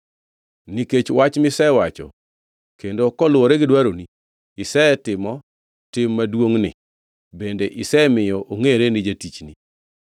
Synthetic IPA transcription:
niket͡ʃwat͡ʃmɪsɛwat͡ʃɔ̰ | kendokɔlwoɾeɡɪdwaɾoni | ɪsɛtɪmɔ | tɪmːadwoŋnɪ̰ | bendeʔɪsɛmɪjɔʔoŋeɾenɪd͡ʒatit͡ʃni

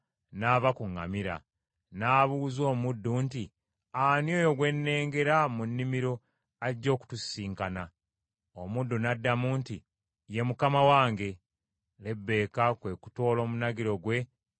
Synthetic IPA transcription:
naːβakuŋa̰miɾa̰ | naːβuːzo̞ːmudːunti | anjo̞ːjo̞ɡwe̞nːe̞ːŋɡe̞ɾamunːimiɾo̞ | aiɟːo̞ːku̥tusiːŋkana | omudːunadːamuːnti | je̞mukamawaːŋɡe̞ | le̞bːe̞ːkakwe̞ku̥to̞ːlo̞ːmunaɡiɾo̞ɡwe̞

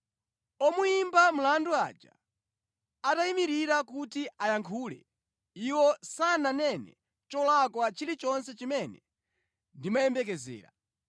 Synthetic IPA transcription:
ɔmuimbam̩landua̰d͡ʒa̰ | ataimiɾiɾakutiajaŋkʰuːlɛ̰ | iwɔsananɛnɛ̰ | t͡ʃɔlakwat͡ʃʰiɾit͡ʃɔnsɛt͡ʃimɛnɛ | ndimajɛmbɛk̬ɛzɛ̰ːɾa

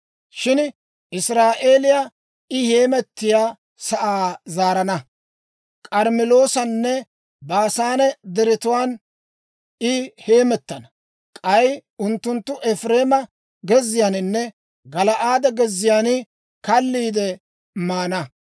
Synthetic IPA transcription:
ʃɪn | ʔɪsɾaːʔe̞ːlɪja | ʔɪhe̞ːmɛt̪ːɪjaː | sɐʔaːzaːɾɐnɐ | kʼɐɾmɪlo̞ːsɐnːɛ | baːsaːnɛd̪ɛɾɪt̪ʊwaːn | ɪhe̞ːmɛt̪ːɐnɐ | kʼɐjʊnt̪ːʊnt̪ːʊʔɛfɾe̞ːmɐ | ɡɛzːɪjanɪnːɛ | ɡɐlɐʔaːd̪ɐɡɛzːɪjaːnɪ | kɐlːiːd̪ɛ | maːnɐ

